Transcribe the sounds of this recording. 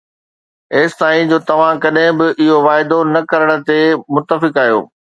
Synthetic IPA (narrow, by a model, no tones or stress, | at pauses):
eːst̪aːĩd͡ʑoːt̪ɐʋ̤ãkɐɗɦɪ̃bɪʔɪɦoʋaːɪd̪onɐkɐɾəɽ̃ə̆t̪emʊt̪ːəfɪkaːjo̰ː